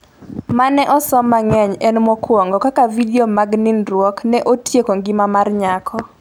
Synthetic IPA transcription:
manɛʔɔsɔmaŋɛɲɛnmɔkwɔŋɡɔkakavidiomaɡninɾwɔknɛʔotjekoŋɡɪmamarɲakʰɔ

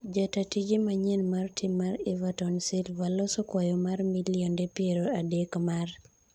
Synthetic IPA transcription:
d͡ʒatatid͡ʒimaɲenmartʰɪmːaɾevatɔnsɪlvalɔsɔkwajɔmarmiliɔndepjeɾoadekmar

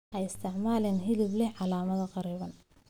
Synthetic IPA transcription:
ʔɛjɪst̪ʰɪʕmaːlɛnɦɪlɪblɛʕɑlaːmɐðɐqɑɾiːβɐn

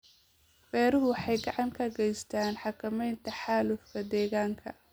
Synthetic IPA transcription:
bɛːɾʊɦʊwħɑjɡɑʕɑŋkʰɐɡɛjst̪ʰaːnħɑkʰɐmɛjnt̪ʰɐħaːlʊfkʰɐd̪ɛːɣaːŋkʰɐ̰

